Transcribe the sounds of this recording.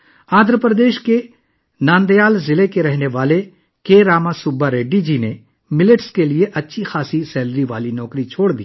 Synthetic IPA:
ãːnd̪ʱɾəpɾəd̪eːʃke | nãːnd̪ejaːlzɪlekeɾɛɦneʋaːle | keːɾaːmasʊbaɾeːɖid͡ʒiːne | mɪlɪʈskelieʔɐtːʃʰixʰaːsisɛːlɾiʋaːlinɔːkɾit͡ʃʰoːɽd̪ḭː

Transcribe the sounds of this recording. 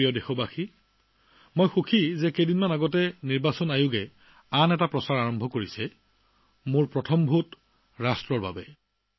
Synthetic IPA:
iɔdexɔbaxi | mojxukʰizɛkedinmanaɡɔtɛniɹbasɔnajʊɡɛ | anɛtapɹɔsaɹaɹɔmbʱɔkoɹisɛ | mʊɹpɹɔtʰɔmbʱut | ɹastɹɔɹba̰bɛ

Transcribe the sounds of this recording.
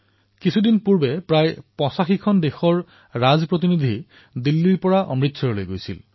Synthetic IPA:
kisʰudinpuɹbɛpɹajpɔsaxikʰɔndexɔɹ | ɹazpɹot̬inid̪ʱi | dilːiɹpɔɹaʔɔ̰mɹitsʰɔɹɔlojɡojsḭl

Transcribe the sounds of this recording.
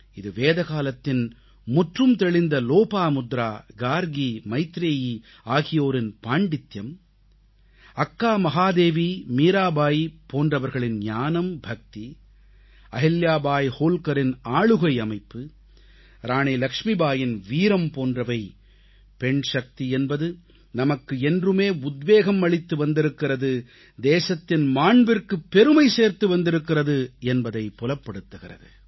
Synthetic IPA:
ɪðɯʋeːðɐɣaːlɐt̪ːɪn | mʊʈrɯmt̪ɛɭɪnd̪ɐloːpaːmʊd̪ɾaːɡaːɾɡimɐɪt̪ɾeːji | aːɣɪjoːɾɪnpaːɳɖɪt̪jɐm | ɐkːaːmɐɦaːd̪eːʋimiːɾaːbaːjpoːndrɐʋɐɾɣɐɭɪnɲaːnɐmbʱɐk̚t̪i | ɐɦɪljaːbaːjhoːlkɐɾɪnaːɭɯɣɐɪɐmɐɪpːɯ | ɾaːɳelɐkʂmibaːjɪnʋiːɾɐmpoːndrɐʋɐɪ | pɛɳʂɐk̚t̪iɛnbɐðɯ | nɐmɐkːɯɛndrɯmeːʊd̪ʋeːɣɐmːɐɭɪt̪ːɯʋɐnd̪ɪɾɯkːɪrɐðɯ | d̪eːsɐt̪ːɪnmaːɳbɪrkɯpːɛɾɯmɐɪseːɾt̪ɯʋɐnd̪ɪɾɯkːɪrɐðɯɛnbɐðɐɪpːɔlɐpːɐɽɯt̪ːɯɣɪrɐ̰ðɯ

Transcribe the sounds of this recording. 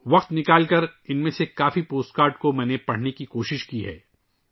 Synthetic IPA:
ʋɐqt̪nɪkaːlkɐɾɪnmẽsekaːfipoːsʈkaːɾʈkomɛ̃ːnepɐɽ̤nekikoːʃɪʃkiɦɛ̰ː

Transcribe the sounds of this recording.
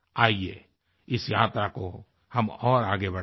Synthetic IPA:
aːiḛ | ɪsjaːt̪ɾako | hɐmɔːɾaːɡebɐɽ

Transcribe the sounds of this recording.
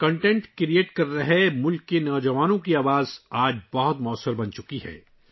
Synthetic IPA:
kɐ̃ɳʈẽɳʈkɾieːʈkɐɾːɐɦemʊlkːenɔːd͡ʒɐʋaːnõkiaːʋaːzaːd͡ʒbɐɦʊt̪mɔːsːəɾbɐ̃nt͡ʃʊkiɦɛ̰ː

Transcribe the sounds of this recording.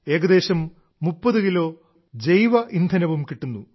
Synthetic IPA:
e̞ːɡɐd̪e̞ːɕɐmː | upːɐðukilo̞ː | d͡ʑejʋɐʔind̪ʱɐnɐʋumkiʈːunːu

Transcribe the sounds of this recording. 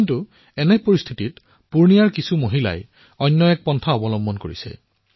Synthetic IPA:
kintu | ɛnɛpoɹist̪ʰitit | puɹnijaɹkisumoɦila̰j | ɔjnːɔɛk̚pɔntʰaɔbɔlɔmbʱɔnkoɹḭsɛ̰

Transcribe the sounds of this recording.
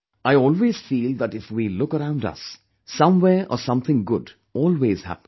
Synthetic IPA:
ʔaɪɔːlˠweːz̥fiːlˠd̪æʈɪfwilʊkəɾãʊ̃ndʌ̰sː | ʌ̃mweʔəsʌ̃mθʰɪ̃ŋɡʊd | ʔɔːlweːz̥hæ̰p

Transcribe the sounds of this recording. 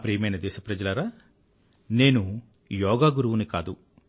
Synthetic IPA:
pɾijɐmɐjnɐd̪ɛːʃɐpɾɐd͡ʒɐlɐɾaː | ne̞ːnu | jɔːɡaːɡuɾuʋunikaːd̪u

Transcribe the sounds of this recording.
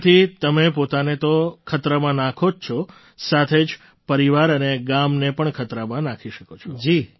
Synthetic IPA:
t̪ʰit̪əmepot̪anet̪okʰət̪ɾəmãnãkʰod͡ʒt͡ʃʰɔ | sat̪ʰed͡ʒ | pəɾiʋaɾəneɡamnepəɳkʰət̪ɾəmãnãkʰiʃəkot͡ʃʰɔd͡ʒi

